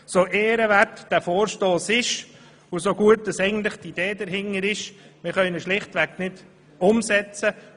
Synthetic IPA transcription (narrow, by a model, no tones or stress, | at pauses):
soʔeːɾəʋærtd̥æfoːɾʃtoːsɪʃ | ʊsoɡuət̚d̥ɑsɛɪɡən̩t̪lɪχtid̥eːd̥əɾɦɪŋːəɾɪʃmɪɾχœʏnəʃlɪχtʋæknɪd | ʊmsɛt͡sə